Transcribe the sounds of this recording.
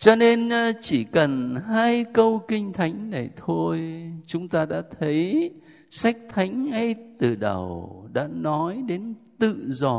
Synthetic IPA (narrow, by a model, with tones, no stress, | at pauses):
t͡ɕɔ˧ne˧nt͡ɕi˧˩kə˨˩nɦaː˧jkə˧wkï˧ŋ̟t̪ʰa˨˦jŋ̟na˨˩jt̪ʰo˧jt͡ɕʊ˨˦ŋ͡mt̪aː˧ɗa̰ː˧˥t̪ʰə˨˦j | sa˦˥jk̟̚t̪ʰa˨˦jŋ̟ha˧jt̪ɨ˨˩ɗə˨˩wɗa̰ː˧˥nɔ˨˦jɗe˨˦nt̪ɨ̰˧˨zɔ˨˩